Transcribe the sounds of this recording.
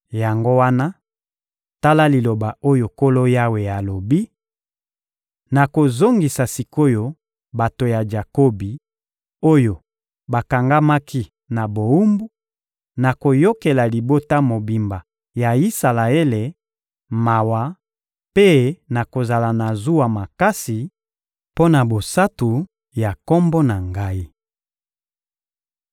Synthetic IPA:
ja˨ŋɡo˦wa˦na˦ | ta˦la˦li˨lo˨ba˨o˦jo˨ko˦lo˦ja˦we˨ja˨lo˨bi˦ | na˨ko˨zo˦ŋɡi˨sa˨si˨ko˦jo˦ | ba˨to˨ja˨d͡ʒa˨ko˦bi˨ | o˦jo˨ | ba˨ka˨ŋɡa˦ma˦ki˦ | na˨bo˨u˦mbu˦ | na˨ko˨jo˦ke˨la˨li˨bo˦ta˦mo˨bi˨mba˨ | ja˨i˦sa˨la˨e˦le˨ | ma˨wa˦ | pe˦na˨ko˨za˨la˨na˨zu˦wa˨ma˨ka˦si˨ | po˦na˨bo˨sa˦tu˨ | ja˨kɔ˦mbɔ˦na˨ŋɡa˦i˦

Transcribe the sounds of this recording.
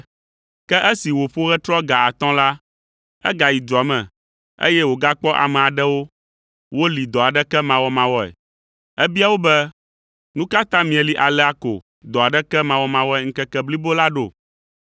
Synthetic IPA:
kɛ˦ʔɛ˦si˨wo˨ɸo˦ɣɛ˦t̪ɾɔ˦ɡa˨a˨t̪ɔ̃˦la˦ | ɛ̰˦ɡa˨ji˨d̪ɾɔ˨mɛ̃˨ | ḛ˦jɛ˦wo˨ɡa˦k͡pɔ˦ʔa̰˨mɛ̃˨a˨ɖɛ˦wo˦ | wo˦li˨d̪ɔ˨a˨ɖɛ˦kɛ˦mã˨wɔ˦mã˨wɔ˦ɛ̰˨ | ɛ˦bi˦a˦wo˦bɛ˦ | nũ˦ka˦t̪ã˦mĩ˨ɛ˨li˦ʔa˨lɛ˦a˦ko̰˨ | d̪ɔ˨a˨ɖɛ˦kɛ˦mã˨wɔ˦mã˨wɔ˦ɛ˨ŋ̩˦kɛ˦kɛ˦bli˦bo˦la˦ɖo˨

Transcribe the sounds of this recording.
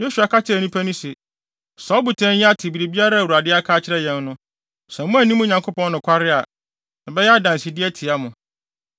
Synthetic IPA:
jo˦su˨a˨kʰa˦t͡ɕʰɪ˦æ˨nũ˦pʰæ˦nʊ̃˦se˨ | sɔː˨˦bu˨tʰɛ̃˦n˦jɛ˦a˦tʰɪ˨bi˨ɾi˨bi˦a˦ɾa˦˨wu˨a˨dɪ˦a˦kʰaː˦t͡ɕʰɪ˦ɾɛ˦jɛ̃˨˦n˦nʊ̃˦ | sɛ̃˨mʊ̃˦æ˨nĩ˦mʊ̃˦ɲã˨ŋkʰo˦pɔ̃˦nnʊ̃˨kʷʰa˦ɾɪ˦a˨ | nã˨bɛ˦jɛ˦a˦dã˨n˨si˨dɪ˦ɛ˦tʰɪ˨a˦mʊ̃˨

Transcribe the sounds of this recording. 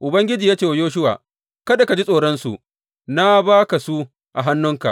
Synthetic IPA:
ʔʊ˨bɐ˦ŋɡʲɪ˦d͡ʒiː˨jaː˦t͡ʃeː˨wa˨joː˦ʃ̬ʊ˦wa̰ː˨ | kɐ˦da˨ka˨d͡ʒi˦sʼoː˨ɽɔ˦nsṵ˨ʔ | na˦baː˦ka˨su˦ | ʔa˨ɦa˦nːʊ˦ŋka̰˨ʔ

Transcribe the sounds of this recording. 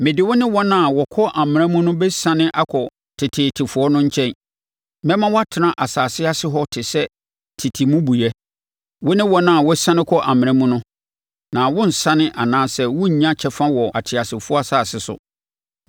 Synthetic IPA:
mɪ̃˨dɪ˨wʊ˦nɪ̃˦wɔ˦nã˦˨wɔ˨kʰɔ˦ʔa˨mɪ̃˨ɾ̃ɛ̃˦mũ˦nʊ̃˦bɛ˦sã˦nɪ̃˦ʔa˦kʰɔ˨ | tʰɪ˨tʰɪ˨tʰɪ˨fʊ˨ɔ˦nʊ̃˦ɲ̩˦t͡ɕʰɛ̃˦n | mɛ̃˦mã˦wɔ˦a˦tʰɪ˨nã˨ʔa˨saː˨sɪ˦a˦sɪ˦ɦɔ˦tʰɪ˨sɛ˦ | tʰɪ˨tʰi˨mũ˦bu˨jɛ˦ | wʊ˦nɪ̃˦wɔ˦nã˦˨wɔ˦sã˦nɪ̃˦kʰɔ˦ʔa˨mɪ̃˨ɾã˦mũ˦nʊ̃˦ | nã˨wʊ̃˦n̩˨sã˦nɪ̃˦ʔa˨nãː˦sɛ˦wʊ̃˦ɲ̩˨ɲã˦t͡ɕʰɛ˦fã˦wɔ˨a˨tʰɪ˨a˨sɪ˨fʊ˦a˦saː˨sɪ˨sʊ̰˨

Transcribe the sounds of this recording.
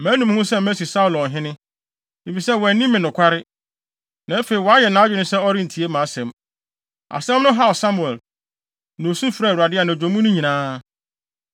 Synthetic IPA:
mæ̃ː˨˦nũ˨m˦hʊ̃˦sɛ˦m̩˦mæ˦si˨sa˦u˨lɔ̃˨n˨ɦɪ̃˦nɪ̃˦ | i˨fi˨sɛ˦wɔ˨nĩ˦mːɪ̃˨nʊ̃˨kʷʰa˦ɾɪ˦ | nã˨e˦fe˨i˨wɔ˨a˦jɛ˨nã˨˦d͡ʑᶣɪ˦nʊ̃˦sɛ˦ɔ˦ɾɪ̃˦n̩˨tʰi˨e˦mã˨˦sɛ̃˨m | a̰˨sɛ̃˦mnʊ̃˦ɦa˦ɔ˨sa˦mu˨ɛ˨l | nã˨o˨sũ˦fɾa˦˨u˨ɾa˨dɪ˦a˨nã˨d͡ʑᶣõ˨mũ˦nʊ̃˦ɲĩ˨nãː˦

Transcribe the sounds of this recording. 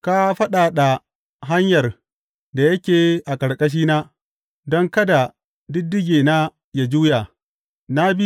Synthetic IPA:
ka˦ɸɐ˦ɗaː˨ɗa˨ | ɦa˦ɲjɐ˨r | da˨jɐ˦kʲeː˨ʔa˨kʼɐ˨ɽkʼɐ˦ʃ̬iː˦naː˦ | dɔ˦ŋkɐ˦da˨ | dɪ˦dːɪ˦ɡʲeː˨naː˦ | ja˦d͡ʒuː˦ja˨ | na˦bi˦

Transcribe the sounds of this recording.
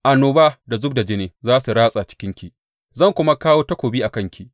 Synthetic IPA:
ʔa˨noː˨ba˦da˨zʊ˦b̚da˨d͡ʒɪ˦neː˨zaː˦su˨ɽaː˦sʼa˨t͡ʃɪ̥˦kʲɪ˦ŋkʲi˨ʔ | zɐ˦˨ŋkʷʊ˦ma˦kaː˦woː˦tɐ˦kʷoː˨biː˦ʔa˨kɐ˦ŋkʲi˨ʔ

